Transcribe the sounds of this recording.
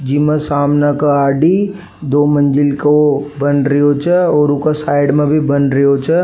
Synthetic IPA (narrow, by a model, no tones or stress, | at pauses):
d͡ʒimə̃saːmnakaaːɖi | d̪oːmɐ̃nd͡ʒɪlkobɐnɾəot͡ʃʰɛɔːɾʊkasaːɪɖmẽbʱibɐnɾəot͡ʃɛ